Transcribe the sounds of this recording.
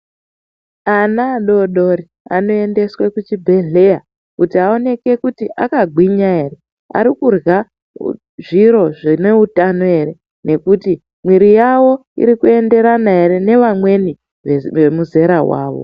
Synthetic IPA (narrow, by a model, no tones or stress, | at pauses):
anaːɗo̞ɗo̞ɾi | a̰no̞e̞nde̞swe̞kut͡ʃibʱe̞ɮe̞ja | kutiao̞ne̞ke̞kutiʔakaɡʱwiɲae̞ɾe̞ | a̰ɾikurɣa | ʐiɾo̞ʐine̞utanoe̞ɾe̞ | ne̞kuti | mwiɾijawo̞ḭɾikue̞nde̞ɾanae̞ɾe̞ne̞ʋamwe̞ni | emuze̞ɾawa̰ːʋo̰